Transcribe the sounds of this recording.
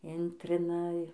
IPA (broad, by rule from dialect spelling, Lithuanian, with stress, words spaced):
ˈɪnʲtʲrʲɪnɐ